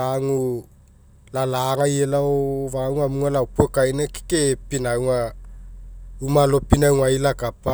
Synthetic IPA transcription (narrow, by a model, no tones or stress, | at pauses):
aŋu | lalaŋajelaovawŋamuŋalaopokajneki̥kepinawŋa | umalopinawŋailakapa